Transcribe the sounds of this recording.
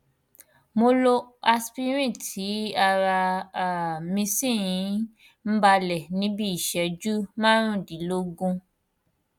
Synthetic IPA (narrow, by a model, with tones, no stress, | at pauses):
mo˧lo˧a˧spi˧ɾ̃ĩ˦˨tʰi˨˦a˧ɾa˧a˨mĩ˧sĩ˦˨ĩ˨˧˦ | m̩˦ba˧lɛ˨nĩ˨˦bi˦i˦˨ʃɛ˧d͡ʒu˦mãː˦ɾ̃ũ˦˨di˨˦lo˦ɡũ˧